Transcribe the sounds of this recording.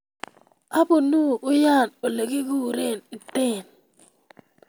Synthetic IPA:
a˦bo˨nu˦˨ʔʊ˦ja˦˨no˨le˨ɡi˦ɡu˦˨ɾe˦˨nɪ˨t̪e˦˨n

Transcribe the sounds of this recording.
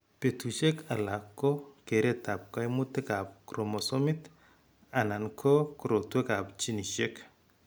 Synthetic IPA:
pe˨tu˨ʃe˦ka˨la˨kːo˦ke˨ɾe˦ta˨p̚ka˦i˦mʊ˦tːe˦ka˨p̚kɾo˨mɔ˨so˦mɪ˦t | a˨na˨nkʰo˦kɾo˨twe˦ka˨pt͡ʃi˦ni˨ʃe˦k

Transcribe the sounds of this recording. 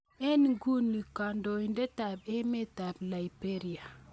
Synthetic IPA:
e˦n˨ɡu˦nːi˨ka˨ndo˨jnde˦ta˨be˦me˦ta˨bla˨ibe˦ɾi˨a˨

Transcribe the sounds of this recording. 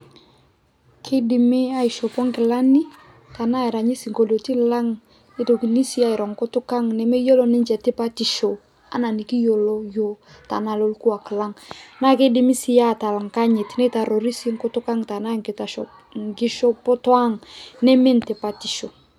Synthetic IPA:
kʰɪ˦dɪ˨mɪ˦a˦i˨ʃɔ˨pɔ˦ŋkɪ˨la˦ni˦ | ta˨na˦ɛ˨ɾa˨ɲi˦si˨ŋko˨lo˨ti˦la˦ŋ | nɪ˨˦to˨ki˨ni˦si˦a˦ɪ˨ɾɔ˨ŋ˨kʊ˦tʊ˦ka˦ŋnɛ˨me˦jo˦lɔ˦nɪ˦nt͡ʃɛ˨tɪ˦pa˦ti˨ʃo˨ | a̰˨na˨ni˨ki˦jo˨lo˦jo˨ | ta̰˨na˨lo˦lku˦a˨kla˦ŋna˦kɪ˦dɪ˦mi˦si˦ja˦˨ta˨la˨ŋka˦ɲɪ˨tnɛ˦ta˨ɾo˨ɾi˦si˦ŋ̩˦kʊ˦tʊ˦ka˦ŋta˨na˦˨ŋ˨ta˨ | ŋkɪ˦ʃɔ˦pɔ˦twa˦ŋnɛ˦mɪ˦ntɪ˨pa˦ti˨ʃo˨

